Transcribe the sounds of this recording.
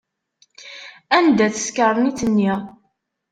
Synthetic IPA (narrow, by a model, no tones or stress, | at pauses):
ænd̪æt͡sə̥skəɾˤnit͡sənːi